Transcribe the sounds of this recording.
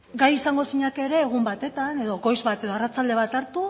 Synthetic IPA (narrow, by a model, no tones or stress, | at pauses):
ɡajisaŋɡo̞siɲake̞ɾe̞ːɣ̞umbat̪e̞t̪ane̞ðo̞ɣo̞jzβat̪e̞ðo̞arat͡sald̪e̞β̞at̪aɾt̪u